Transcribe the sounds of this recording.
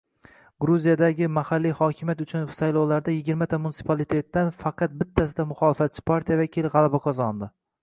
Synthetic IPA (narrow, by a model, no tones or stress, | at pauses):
ɡɾuzijad̪aɡʲɪmahalːijhɒkʲʰɪmjat̪ʊt͡ʃʰʊnsajlˠɒwlaɾd̪ajɪɡʲɪɾmat̪ʰamunsɪ̥pʰalˠit̪ʰe̞t̪ːanfɑqɑt̪̚bɪt̪ʰːasɪd̪amʊχɒlˠɪfat̪̚t͡ʃʰɪ̥pʰaɾt̪ʰijavakʲilˠʁɑlˠabaqʰɒzɒnd̪ɪ